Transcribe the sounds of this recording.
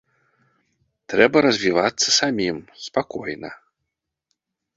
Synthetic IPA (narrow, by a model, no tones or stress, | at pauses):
t̪ɾɛbɐɾɐzʲvʲivat̪sːɐsamʲimspakɔjnɐ̰